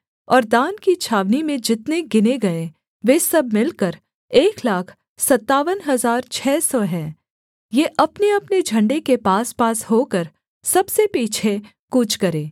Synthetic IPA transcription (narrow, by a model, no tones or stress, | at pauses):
ɔːɾd̪ãːnkit͡ʃʰaːʋnimẽd͡ʒɪt̪neɡɪneɡɐe | ʋeːsɐbmɪlkəɾ | eːklaːkʰ | sɐt̪ːaːʋənɦɐzaːɾt͡ʃʰɛːsɔɦɛ̃ː | jeːʔɐpneɐpned͡ʒʱɐ̃ɳɖekepaːspaːsɦoːkəɾ | sɐbsepiːt͡ʃʰe | kuːt͡ʃʰkɐɾẽː